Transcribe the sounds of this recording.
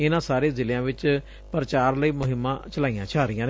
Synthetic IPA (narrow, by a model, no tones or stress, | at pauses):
ɪnãːsaːɾeːzɪljãːʋɪt͡ʃ | pəɾət͡ʃaːɾləiːmʊɦɪmːãːt͡ʃəlaːijãːt͡ʃʰaːɾijãːn